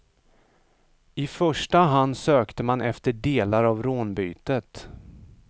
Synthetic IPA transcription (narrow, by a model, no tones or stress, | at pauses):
ɪfœʂʈaɦand̪søːkt̪əmanʔɛft̪əɖeːlaɾavɾoːnbyːt̪ət̪